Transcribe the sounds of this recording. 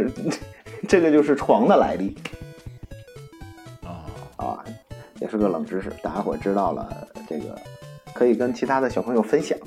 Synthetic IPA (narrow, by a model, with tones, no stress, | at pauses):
ʈ͡ʂɤ˥˩ɡə˩t͡ɕjo˥˧ʊʂɻ̩˥˩ʈ͡ʂʰwɑ˧˥ŋd̪ə˧la̰˧˥ɪli˥˩˧ | ɐ̰˧˩jɛ˨˩ʂɻ̩˥˧˩ɡə˧˩lə˨˩ŋʈ͡ʂɻ̩˥ʂɻ̩̰˥˩t̪a˥˩a˥nwɛ˨˩ʈ͡ʂɻ̩˥t̪ɑ˥˩ʊlə̰˩ʈ͡ʂɤ̰˥˩ɡə̰˩kʰɤ˧˥i˨˩kə˥nt͡ɕʰi˧˥t̪ʰa˥d̪ə˨˩ɕjɑ˨˩pʰɤ˧˥ŋjo˥˧ʊfə˥nɕjɑ̰˨˩˦